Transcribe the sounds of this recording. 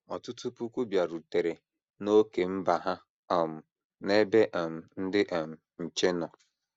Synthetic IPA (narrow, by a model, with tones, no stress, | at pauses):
ɔ˨tʊ˦tu˦pu˦kʷu˦bja˨ɾu˨te˨ɾe˨ | no˦ke˨m̩˦ba˨ɦa˦ | ɔ˨m̩˨ | ne˦be˦ʔɔ˨m̩˨n̩˦dɪ˦ʔɛ˨m̩˨ | n̩˨t͡ʃe˦nɔ˨